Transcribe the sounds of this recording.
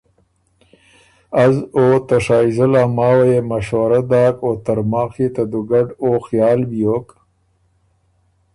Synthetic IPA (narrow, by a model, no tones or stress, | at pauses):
azoːt̪aʂaːizɐlamaːwajemɐʃwɐɾad̪aːkot̪aɾmɑːxit̪ad̪uɡaɖoːxjɑːlbijoːk